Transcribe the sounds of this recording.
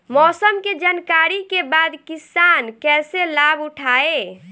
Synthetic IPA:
mɔsəmked͡ʒankaɾikebad̪kisankɛselabuʈʰae

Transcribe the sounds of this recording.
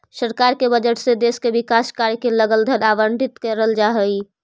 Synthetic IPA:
səɾkaɾkebəd͡ʒəʈsed̪eskebɪkaskaɾkeləɡəld̪ʱənaʋəɳɖʱɪt̪kəɾəld͡ʒaɦəi

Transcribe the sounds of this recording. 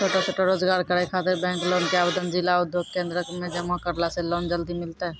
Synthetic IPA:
t͡ʃʰoːʈat͡ʃʰoːʈaɾoːd͡ʒɡaːɾkəɽekʰaːt̪ɪɾbɛ̃ːŋkloːnkeaːbed̪ənd͡ʒɪlaʊd̪ʱjoːɡ̚kẽːnd̪ɾəkmẽd͡ʒɐmakəɾlaseloːnd͡ʒəld̪imɪlt̪aɦɛ

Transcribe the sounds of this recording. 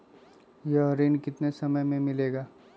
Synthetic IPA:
jɐɦɾiːnkɪt̪nesɐməjmẽmɪleːɡaː

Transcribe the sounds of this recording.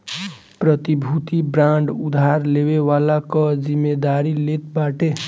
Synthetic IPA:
pɾʌt̪ibʱut̪ibɾaɳɖud̪ʱɦaɾlewewalakʌd͡zimːed̪aɾilet̪baʈe

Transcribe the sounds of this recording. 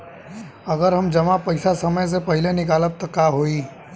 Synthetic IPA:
əɡəɾɦəmd͡ʒɐmapɐɪsasəməjs̬epɐɦɪlenɪkaːləp̚t̪ɔkaɦoːi

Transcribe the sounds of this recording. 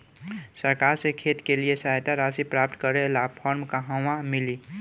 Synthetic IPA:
səɾkaɾsekʰet̪keliesaɦjt̪aɾasipɾapt̪kəɾelapʰɔɾmkaɦãwãmili

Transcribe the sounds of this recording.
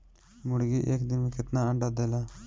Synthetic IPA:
mʊɽɡiʔeːkd̪ɪnmẽkɪt̪naəɳɖaːd̪eːlaː

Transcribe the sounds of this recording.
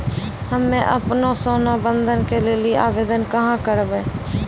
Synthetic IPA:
ɦəmːẽʔəpnosoːnabə̃nd̪ʱənkeleːliʔaːʋeːd̪ənkəɦãkəɾbeː

